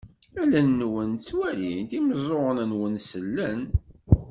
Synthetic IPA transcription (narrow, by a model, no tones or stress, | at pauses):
ælænːwənt͡sːwælint̪iməzˤoənənwənsəlːən